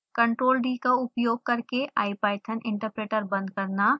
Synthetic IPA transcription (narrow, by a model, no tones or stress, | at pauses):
kɐ̃ɳʈɾoːlɖiːkaʊpjoːɡ̚kɐɾkeʔa̰ːipaːɪʈ̪ʰənɪ̃ɳʈəɾpɾeːʈəɾbɐ̃nd̪̚kɐɾna